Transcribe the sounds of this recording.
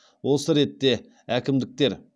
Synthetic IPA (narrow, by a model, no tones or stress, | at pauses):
wo̞səɾe̞t̪ːe̞ | ækʲɪmd̪ɪk̚t̪e̞ɾ